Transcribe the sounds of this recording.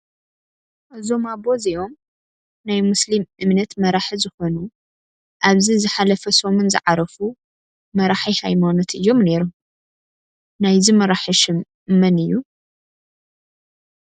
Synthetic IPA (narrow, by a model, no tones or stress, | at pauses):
ʔɨzo̞mabo̞ziʔo̞m | najmuslimʔɨmnɐt̪mɐɾaħizɨxo̞nu | ʔaβzizɨħalɐfɐsomonzɨ̰ʕaɾɐfu | mɐɾaħihajmanɐt̪ʰʔɨjːo̞mne̞ɾu | najzimɐɾaħiʃɨm | mɐnɨjːu